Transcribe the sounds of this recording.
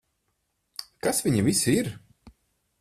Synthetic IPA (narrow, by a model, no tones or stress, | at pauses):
kasvʲiɲivisiɾ